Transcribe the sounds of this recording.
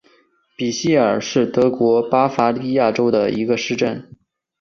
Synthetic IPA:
pi˨˩ɕi˥˩ə˞˨˩ʂɻ̩˥˩t̪ɤ˧˥kwɔ˧˥pa˥fa˧˥li˥˧ja˥˩ʈ͡ʂo˥ʊd̪ə˨ḭ˧˥ɡə˧ʂɻ̩˥˧ʈ͡ʂə˥˩n

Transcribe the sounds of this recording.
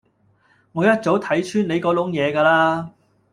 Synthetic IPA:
ŋɔː˨˧jɐ˥t̚t͡so˨˥wt̪ʰɐ˨˥jt͡ʃʰyː˥ne˨˧jkɔː˨˥lʊ˨˥ŋjɛː˨˧kaː˧laː˥

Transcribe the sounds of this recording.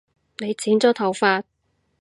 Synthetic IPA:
ne˨˧jt͡sʰiː˨˥nt͡sɔː˨˥t̪ʰɐ˨˩wfaː˧t̚

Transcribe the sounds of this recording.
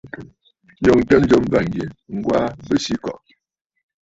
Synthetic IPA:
jɔ˦˨ŋtə˦n˦d͡ʒo˦m˦va˨ŋ˨ɡi˨nŋ̩˦ɡwa˦bə˦˨si˦kɔ̰˨ʔ

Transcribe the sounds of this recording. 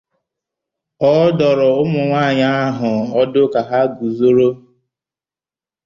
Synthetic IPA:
ɔ˦dɔ˨ɾɔ˨ʊ˦mʊ˨ŋʷaː˦˨ɲa˦a˦ɦʊ˨ɔ˦dʊ˦ka˨ɦa˦ɡu˨zo˦ɾo˦

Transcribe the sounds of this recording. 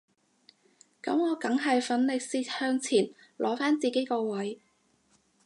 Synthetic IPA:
kɐ̰˨˥mŋɔː˨˧kɐ˨˧˥ŋɦɐ˨jfɐ˨˥nlɪ˨k̚siː˧t̚hœː˧ŋt͡sʰiː˨˩n | lʔɔː˨˥faː˥nt͡siː˨ke˨˥jkɔː˧wɐ˨˥j

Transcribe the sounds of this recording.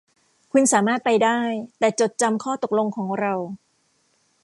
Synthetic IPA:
kʰu˧nsaː˩˦maː˥˩t̪̚pa˧jdaː˥˩jt̪ɛː˨˩t͡ɕo˨˩t̪̚t͡ɕa˧mkʰɔː˥˩t̪o˨˩k̚lo˧ŋkʰɔː˩˦ŋɾa˧w

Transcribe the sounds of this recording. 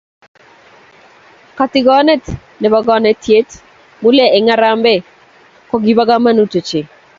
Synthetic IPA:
ka˨tɪ˦ɡɔ˦nɛ˦t | nɛ˨ba˨ɡɔ˦nɛ˨˦tje˦t | mu˦lɛ˨ɛ˨ŋa˦ɾa˦mbɛ˦ | kɔ˦ɡi˦ba˦ɡa˦ma˦nu˦to˨t͡ʃe˨

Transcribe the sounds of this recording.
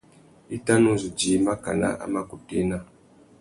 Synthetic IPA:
i˦ta˦no˦zu˨d͡ʒi˨˦ma˦ka̰˨na̰˦ʔa̰˦ma˦ku˨te˦na˦

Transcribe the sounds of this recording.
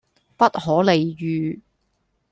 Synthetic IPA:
pɐ˥t̚hɔː˨˥le˨jjyː˨˧

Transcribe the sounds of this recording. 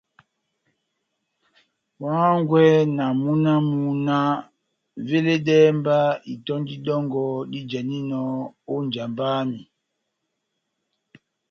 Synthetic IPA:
wa˦ŋɡwɛ˦na˨mu˦na˦mu˨na˦ | ve˦le˦ɗɛ˦mba˦i˨tɔ˦ndi˦ɗɔ˦ŋɡɔ˨ɗi˦d͡ʒa˨ni˦nɔ˨o˦ɲd͡ʒa˨mba˦mi˨

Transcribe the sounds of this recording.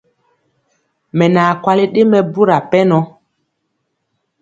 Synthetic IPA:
mɛ˨naː˨kwa˦li˦ɗe˦mɛ˨bu˦ɾa˨pɛ˦nɔ˦

